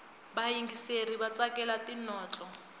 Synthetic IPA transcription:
baiŋɡiseribat͡sʼakʼɛlatʼinɔːt͡ɬʼɔ

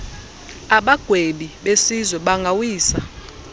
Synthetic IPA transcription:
aɓaɡ̥ʱweɓiɓesizwɛɓaŋɡʱawiːsa

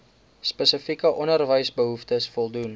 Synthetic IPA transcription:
spəsəfikəʔɔnərvəjsbəɦuftəsfɔlˠdun

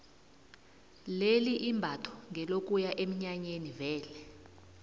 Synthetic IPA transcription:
leliʔimbʱatʰɔ̥ŋʱɛlokʼujaʔem̩ɲaɲenivɛːlɛ

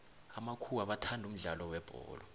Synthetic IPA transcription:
amakʰuwaɓatʰandʱum̩ɮalɔwɛb̥ʱɔ̰ːlɔ

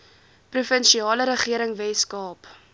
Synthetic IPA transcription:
prufənʃiɑːləɾəχiəɾəŋvɛskɑːp

